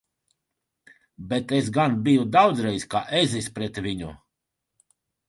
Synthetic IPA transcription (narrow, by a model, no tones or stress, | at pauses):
bet̪esɡanbijud̪awd̪zɾɛjska̰ːʔezispɾɛt̪vʲiɲṵ